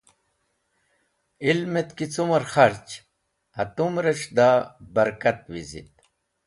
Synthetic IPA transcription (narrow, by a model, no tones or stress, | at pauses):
ilmet̪kit͡sumɐɾxɐɾt͡ɕ | ɐt̪umɾɐɕd̪abɐɾkɐt̪wizḭt̪̚